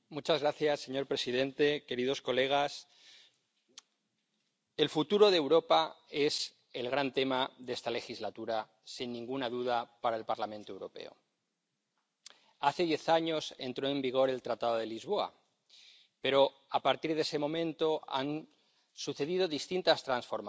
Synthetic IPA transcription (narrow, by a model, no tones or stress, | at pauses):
mut͡ʃazɣɾaθjasːe̞ɲo̞ɾpɾe̞siðẽ̞nt̪e̞ke̞ɾið̞o̞sko̞le̞ɣ̞as | e̞lfut̪uɾo̞ð̞ewɾo̞pae̞s | e̞lɣɾant̪e̞maðe̞st̪ale̞xizlat̪uɾa | sinːĩŋɡunaðuðapaɾaelpaɾlamẽnt̪oe̞wɾo̞pḛo̰ | aθe̞ðje̞θaɲo̞se̞̰nt̪ɾo̞e̞mbiɣ̞o̞ɾe̞lt̪ɾat̪aðoð̞e̞lizβo̞a̰ | pe̞ɾo̞ | apaɾt̪iɾð̞e̞se̞mõ̞mẽ̞nt̪o̞a̰n | suθe̞ðið̞o̞ðist̪int̪ast̪ɾansfo̞ɾma